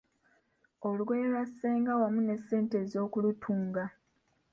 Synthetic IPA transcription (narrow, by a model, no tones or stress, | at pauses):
o̞lɡejlwasːeːŋɡawamune̞sːe̞ːnte̞ːzo̞ːkulutʰuːŋɡa